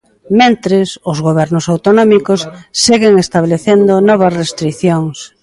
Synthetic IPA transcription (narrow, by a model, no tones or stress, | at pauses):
mẽnt̪ɾɪsʊzɣoβ̞ɛɾnʊsawt̪onɔmikʊsːeɣeŋest̪aβleθend̪ʊnɔβ̞ɐsrest̪ɾiθjoŋs